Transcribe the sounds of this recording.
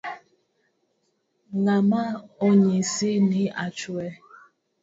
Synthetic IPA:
ŋamaoɲisiniat͡ʃuɛ

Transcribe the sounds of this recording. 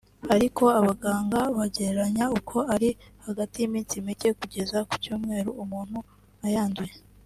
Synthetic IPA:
aɾiko̞aβaɡaːŋɡaβaɟe̞ɾeɾaɲaukʰo̞aɾihaɡatijimiːnsimice̞kuɟe̞zaku̥cuːmŋe̞ːɾuumuːn̥hu | ajaːnduje

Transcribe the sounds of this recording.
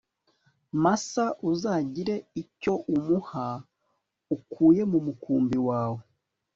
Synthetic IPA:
masaʔuzaːɟiɾe̞ico̞ʔumuha | ukʰuːje̞mumukuːmbiwaːwo

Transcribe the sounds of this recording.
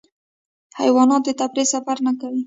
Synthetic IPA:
ha̰jwɑnɑt̪̚d̪ət̪abɾesafaɾnakawi

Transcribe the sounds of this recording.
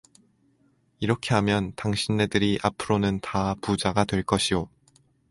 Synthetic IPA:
iɾʌkʰe̞ɦamjʌntaŋɕʰinːe̞dɯɾiʔapʰɯɾonɯntapud͡ʑaɡatwe̞ɭk͈ʌɕʰijo

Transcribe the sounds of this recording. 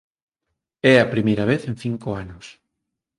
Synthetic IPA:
ɛɐpɾimejɾɐβ̞eθẽnθiŋkoanʊs

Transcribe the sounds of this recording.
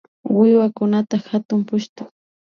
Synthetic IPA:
wɪwakʊnat̪axat̪ʊmpʊʃt̪ʊ

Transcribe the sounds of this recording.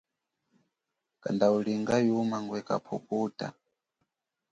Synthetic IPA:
ka̰ndauliŋɡajumaŋɡwɛka̰pʰɔpuːta̰

